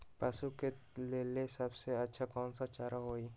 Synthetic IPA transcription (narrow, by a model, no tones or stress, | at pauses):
pɐsuke | leːlesɐbseɐtːʃʰakɔːnsat͡ʃaːɾaɦoːi